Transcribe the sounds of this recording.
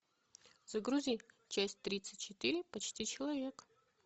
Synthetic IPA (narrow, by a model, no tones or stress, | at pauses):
z̥ɐɡɾuzʲij | t͡ɕæsʲtʲt̪ɾʲit̪sɨt̚ʲt͡ɕːɪt̪ɨɾʲɪpɐt͡ɕtʲit͡ɕʰɪlˠɐvʲe̞k